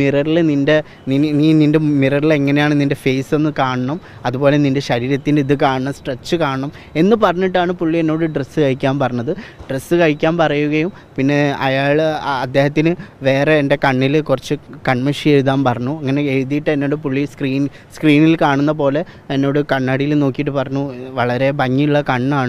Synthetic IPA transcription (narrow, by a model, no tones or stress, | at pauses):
mirɐɾilninde̞ | ninininde̞mirɐrile̞ŋːɐnejaːɳɨninde̞feːse̞nːɨkaːɳɐɳɐm | ɐðubo̞ːle̞ninde̞ɕɐɾiːɾɐt̪ːindeiðɨkaːɳɐɳɐmsʈret͡ɕːɨkaːɳɐɳɐm | e̞nːɨpɐrɐɲːiʈːaːɳɨpuɭːie̞nːo̞ːɽɨɖresɨkɐɻikʲːaːmpɐrɐɲːɐðɨɖ̥resːɨkɐɻikʲːaːmpɐrɐjuɣɐjum | pinːe̞ɐ̰jaːɭɐd̪ːe̞ːhɐt̪ːinɨʋe̞ːre̞ːnde̞kɐɳːilkurɐt͡ɕːɨkɐɳmeʂieɻuðaːmpɐrɐɲːuɐŋːɐne̞eɻðijiʈːɨenːo̞ːɽɨpuɭːiskriːn | skriːnilkaːɳunːɐp̬o̞ːle̞ | enːo̞ːɽɨkɐɳːɐɽijilno̞ːkːijiʈ̬ːɨpɐrɐɲːuʋɐɭɐɾe̞bʱɐɲːiuɭːɐkɐɳːaːɳɨ